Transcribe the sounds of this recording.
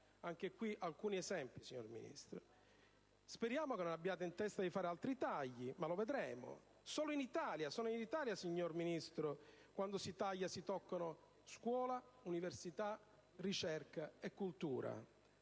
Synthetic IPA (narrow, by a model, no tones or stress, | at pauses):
aŋk̟ekwiʔalkuːniɛzɛmpisiɲːo̰rmḭnḭst̪ɾʊ | speɾjaːmʊkenːonabːjaːt̪eint̪ɛst̪ad̪ifaːɾalt̪ɾit̪aʎːimaloved̪ɾɛːmʊ̰ | sɔːlʊinit̪aːljasɔːnʊinit̪aːljasiɲːorminist̪ɾʊ | kwand̪ʊsit̪aʎːasit̪ɔkːanʊ | skwɔːla | universit̪a | rit͡ʃɛrkaekːult̪ṵːɾa̰